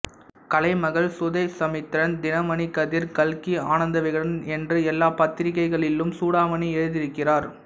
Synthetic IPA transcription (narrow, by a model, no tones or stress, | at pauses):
kɐlɐɪmɐɣɐɭsʊðɐɪsɐmɪt̪ːɪɾɐnd̪ɪnɐmɐnikɐðɪɾkɐlkiaːnɐnd̪ɐʋɐɪɣɐɽɐnɛndrɯɛlːaːpɐt̪ːɪɾɪkːɐɪɣɐɭɪlːɯmsuːɽaːmɐniɛɻɯðɪɾɯkːɪraːɾ